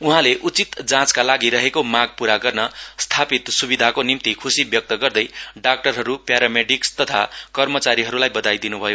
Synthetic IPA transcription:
uɦãleʔut͡sit̪d͡zãt͡skalaɡiɾʌɦekomaɡ̚puɾaɡʌrnʌst̪ʰapit̪subid̪ʱakonimt̪ikʰusibjʌk̚t̪ʌɡʌrd̪ʌjɖak̚ʈʌrɦʌɾupjaɾameɖikst̪ʌt̪ʰa̰kʌrmʌt͡saɾiɦʌɾulajbʌd̪ajd̪inubʱʌjo

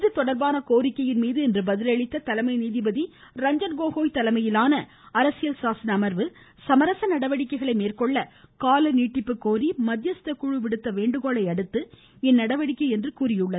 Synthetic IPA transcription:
ðɯt̪ːɔɽɐɾbaːnɐkoːɾɪkːɐjɪnmiːðɯɛndrɯbɐðɪlɐɭɪt̪ːɐt̪ɐlɐmɐɪniːðɪbɐði | ɾɐɲd͡ʒɐnɡoːɣoːjt̪ɐlɐmɐjɪlaːnɐ | ɐɾɐsɪjɐlsaːsɐnɐmɐɾʋɯ | sɐmɐɾɐsɐnɐɽɐʋɐɽɪkːɐɪɣɐɭɐɪmeːrkɔɭːɐkaːlɐniːʈːɪpːɯkːoːɾimɐd̪jɐst̪ɐkːuɻɯʋɪɽɯt̪ːɐʋeːɳɖɯɣoːɭɐɪɐɽɯt̪ːɯ | ɛnːɐɽɐʋɐɽɪkːɐɪɛndrɯkuːɾɪjɯɭːɐðɯ

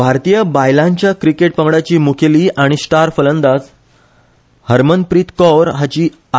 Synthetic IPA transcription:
bʱaɾt̪ijəbajlãɲt͡ɕjakɾikeʈ̚pəŋɡɽat͡ɕiːmukʰeliːaɽ̃isʈaɾfələnd̪ad͡z | həɾmənpɾiːt̪kɔɾɦat͡ɕiː | a

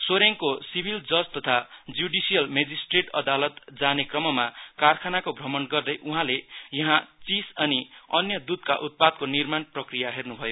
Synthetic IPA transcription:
soɾjeŋkosibʱild͡zʌd͡zt̪ʌt̪ʰad͡zuɖisijʌlmed͡zisʈreʈʌd̪alʌt̪d͡zanekrʌmʌmakarkʰanakobʱrʌmʌnɡʌrd̪ʌjʔuɦãlejʌɦãt͡sisʌniʌnjʌd̪ud̪ka̰ʔut̪̚pad̪̚konirmanprʌkrijaɦernubʱʌjo

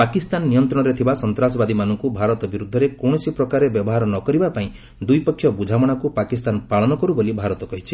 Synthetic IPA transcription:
pakist̪anːijɔnt̪ɾɔɽ̃ɔɾet̪ʰibasɔnt̪ɾasɔbad̪imanɔŋkubʱaɾɔt̪ɔbiɾud̪ʱːɔɾekɔwɽ̃ɔsipɾɔkaɾebjɔbɔɦaɾɔnɔkɔɾibapaĩ | d̪ujpɔkʰːjɔbud͡ʒʱamɔɽ̃akupakist̪anpaɭɔnɔkɔɾubolibʱaɾɔt̪ɔɡɔɦit͡ʃʰi

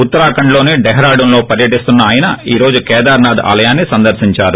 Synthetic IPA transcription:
ut̪ːɐɾaːkɐɳlo̞ːniɖɛɦɾaːɽunloːpɐɾjɐʈist̪unːɐaːjɐnɐiːɾo̞ːd͡ʒukɛːd̪aːɾnaːd̪a̰ːlɐjaːnːisɐnd̪ɐɾʃiɲt͡ʃaːɾu

